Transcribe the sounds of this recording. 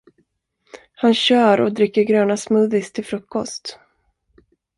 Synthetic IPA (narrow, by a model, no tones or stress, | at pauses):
hanɕœːɾɔ̰d̪ɾɪkːəɾɡɾœːnasmɵðɪst̪ʰɪlfɾɵkːɔst̪